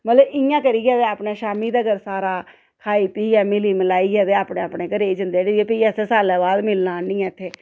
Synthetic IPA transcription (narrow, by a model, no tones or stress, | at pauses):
mət̪ləbɪjãːkəɾiːɡɛːt̪eːaːpneːʃaːmiːd̪aːɡəɾsaːɾaː | kʰaːiːpiːɛːmɪliːmɪlaːiːɡɛːt̪eːaːpɳẽːapɳeːkəɾeːd͡ʒənd̪eːɽiɛːpiːɛseːsaːlɛːbaːlmɪlnãːnĩːɛ̃ːt̪ʰːeː